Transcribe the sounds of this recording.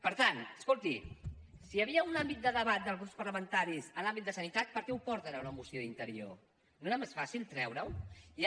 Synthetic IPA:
pəɾt̪anəskolˠt̪isiəβiəunambit̪̚d̪əðəβat̪̚d̪əlˠɣɾupspəɾləmənt̪aɾizənlambit̪d̪əsənit̪at̪̚pəɾkɛuwpɔɾt̪əɾəwnəmusjoðint̪əɾio̰ | noeɾamesfasilˠt̪ɾɛwɾəwi

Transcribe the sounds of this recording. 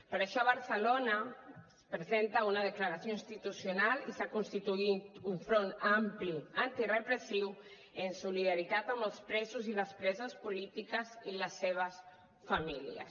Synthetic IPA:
pəɾəʃɔβəɾsəlona | spɾəzent̪aunaðəkləɾasjoĩnst̪it̪usjunalisakunst̪it̪uit̪uɱfɾonampliant̪irəpɾəsiw | ənsuliðaɾit̪at̪ambəlˠspɾɛzuziləspɾɛzəspulit̪ikəziləsːeβ̞əs | familḭə̰s

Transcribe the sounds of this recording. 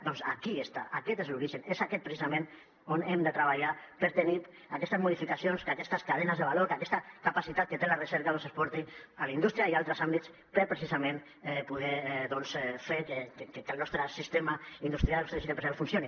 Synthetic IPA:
d̪ɔnsakiest̪a̰ʔakɛt̪ezluɾiʒənezakɛt̪pɾesizamẽn | onemd̪ət̪ɾəβ̞aʎapəɾt̪ənit̪ | akɛst̪əzmuðifikasionskakɛst̪əskaðɛnəzðəβaloɾkakɛst̪akapasit̪at̪̚kət̪elarəsɛɾkaðonsəspɔɾt̪ialind̪ust̪ɾiaialˠt̪ɾəsambit̪s | pəɾpɾesizamẽn | ɛpuðɛðɔnsɛfeɾkekekəlnɔst̪ɾəsist̪emaind̪ust̪ɾiallnɔst̪ɾəʃit̪epɾsialˠfunsjoni

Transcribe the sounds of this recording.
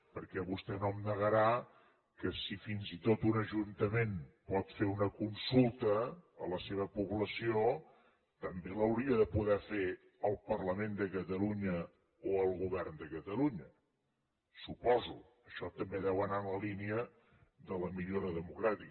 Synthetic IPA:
pəɾkɛβust̪ɛnomnəɣəɾa | kəsifinzit̪ot̪unəʒunt̪əmenpɔt̪feunəkunsulˠt̪əːləseβ̞əpuβləsio | t̪əmbeləwɾiəðəpuðɛfe | əlˠpərləmend̪əkət̪əluɲə | oəlˠɣuβɛrnd̪əkət̪əluɲə | supɔzu | əʃɔt̪əmbeðɛwənaənləliniə | d̪ələmiʎoɾəðəmukɾat̪ik

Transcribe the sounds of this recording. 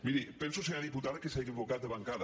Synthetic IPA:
miɾipens̬oseaðiput̪aðakesajðiβokat̪̚d̪eβaŋkað

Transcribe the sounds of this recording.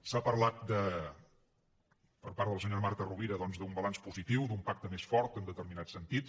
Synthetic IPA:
sapəɾlat̪̚d̪ə | pəɾpaɾðəlˠsəɲoɾmaɾt̪əruβiɾəðɔnzd̪umbəlanspuzit̪iwd̪umpak̚t̪əmesfɔɾt̪ənd̪ət̪əɾminat̪sənt̪it̪

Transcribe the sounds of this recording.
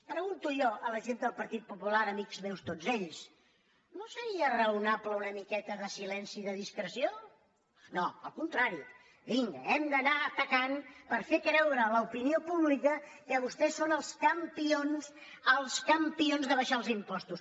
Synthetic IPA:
pɾəɣunt̪ujɔʔələʒend̪əlˠpəɾt̪it̪̚pupulaɾəmikzmewst̪od͡zeʎs | nosəɾiərəunapləunəmikɛt̪əðəsilɛnsiðəðiskɾəsio | noəlˠkunt̪ɾaɾi | βiŋɡɛmd̪ənat̪əkanpəɾfekɾɛwɾəːləupiniopuβlikəkəβust̪ɛsonəlˠskəmpions | əlˠskəmpionzðəβəʃalˠzimpɔst̪us

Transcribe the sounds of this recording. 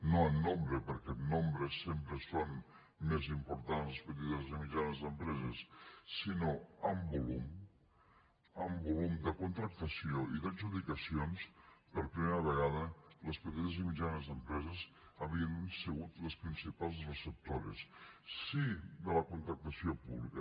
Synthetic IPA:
noənːõmbɾəpəɾkɛt̪nombɾəsempɾəson | mezimpuɾt̪anslˠəspət̪̬it̪əzimid͡ʒanəzðəmpɾɛzəsːinoəmbulum | əmbulumd̪əkunt̪ɾək̚t̪əsioʔiðaʒuðikəsionspəɾpɾimeɾəβəɣaðələspət̪it̪əzimid͡ʒanəzðəmpɾɛzəz | əβiənsəɣut̪ləspɾinsipalˠzrəsəp̚t̪oɾə̰sː | id̪ələkunt̪ɾək̚t̪əsiopuβlḭkə

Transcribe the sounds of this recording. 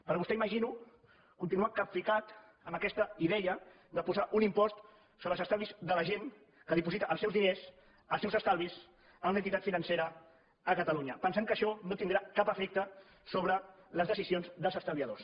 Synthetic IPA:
pəɾβust̪ɛiməʒinu | kunt̪inuakapfikat̪ | əməkɛst̪əiðɛə | d̪əpuzaʔunimpɔst̪ | soβɾəlˠzəst̪alˠβizðələʒen | kəðipuzit̪əʔəlˠsɛwzðinez | əlˠsɛwzəst̪alˠβis | əmunənt̪it̪at̪finənseɾə | əkət̪əluɲəpənsaŋkəʃɔnot̪ind̪ɾakapəfɛk̚t̪ə | soβɾələzðəsizionzðəlˠzəst̪əlˠβiəðos

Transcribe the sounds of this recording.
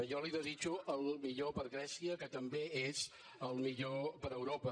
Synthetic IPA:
ʒɔliðəzit͡ʃuʔəlˠmiʎopəɾɣɾɛsiəkət̪əmbeez | əlˠmiʎopəɾəwɾopə

